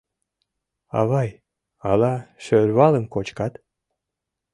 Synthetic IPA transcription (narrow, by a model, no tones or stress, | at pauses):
ɑ̰βɑj | ɑlɑʃørβɑləmkot͡ɕkɑt̪